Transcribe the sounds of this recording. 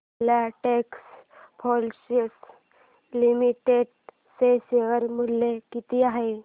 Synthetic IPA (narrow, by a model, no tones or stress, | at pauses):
laʈeks | pʰɔlɕiʈ | limiʈeɖ | seseʋəɾmulːekit̪iaɦe